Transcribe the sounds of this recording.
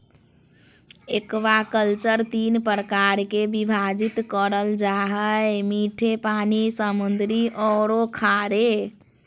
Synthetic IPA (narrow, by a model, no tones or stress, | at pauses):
ekbakəlt͡ʃəɾt̪inpəɾəkaɾkebibʱad͡ʒit̪kəɾəld͡ʒaɦəmiʈʰepanisəmund̪ɾiʔɔɾokʰaɾe